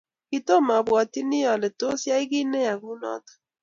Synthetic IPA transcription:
ki˨to˦ma˨bwɔ˨ti˦nɪ˦jɔ˨lɛ˨to˦sja˦i˦ki˦nɛ˦ja˨ku˦nɔ̰˦tɔ̥˨

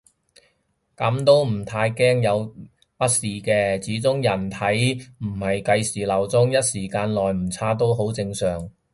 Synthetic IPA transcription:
kɐ˨˥mt̪o˥wm̩˨˩t̪ʰaː˧jkɛː˥ŋjɐ˨˧w | pɐ˥t̚siː˨kɛː˧t͡siː˨˥t͡sʊ˥ŋjɐ˨˩nt̪ʰɐ˨˥jm̩˨˩hɐ˨jkɐ˧jsiː˨˩lɐ˨˩wt͡sʊ˥ŋjɐ˥t̚siː˨˩kaː˧nlɔː˨˩jm̩˨˩t͡sʰaː˥t̪o˥wɦo˨˥wt͡sɪ˧ŋsœː˨˩ŋ

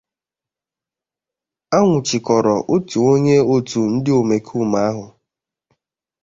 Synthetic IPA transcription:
a˦ŋʷʊ˨t͡ʃɪ˨kɔ˨ɾɔ˨ʔo˦tu˨o˦ɲe˦o˦tu˨n̩˦dɪ˦o˨me˨kʰu˦˨ma˨a˦ɦʊ˨

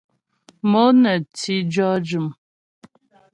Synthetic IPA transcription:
mo˦nə˨ti˦d͡ʒɔ˦d͡ʒu˨m

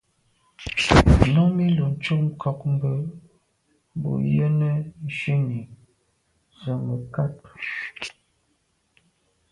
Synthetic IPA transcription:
nɔ˦mi˦lu˨n̩˨˦t͡ʃu˦km̩˦kʰɔ˨km˦bə˨˦˨ | bo̰˨jə˦nə˦n˦ʃi˦ni˨ | zə˨mə˨ka˦t

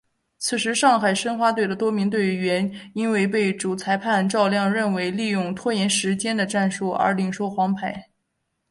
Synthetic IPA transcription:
t͡sʰɹ̩˨˩ʂɻ̩˧˥ʂɑ˥˩ŋxa˨˩ɪʂə˥nxwa˧˥t̪we˥˩ɪd̪ə˦t̪wɔ˥mi˧˥ŋt̪̬we˥˩ɪɥɛ˧˥ni˥nwe˥˧ɪp̬e˥˩ɪʈ͡ʂu˨˩t͡sʰa˧˥ɪpʰa˥˧nʈ͡ʂɑ˥˧ʊljɑ˥˧ŋɻə˥˩nwe˧˥ɪli˥˧jʊ˥˩ŋt̪ʰwɔ˥jɛ˧˥nʂɻ̩˧˥t͡ɕjɛ˥nd̪ə˨ʈ͡ʂa˥˧nʂu˥˩ə̰˞˧˥li˨˩ŋʂo˥ʊxwɑ˧˥ŋpʰa˧˩˥ɪ

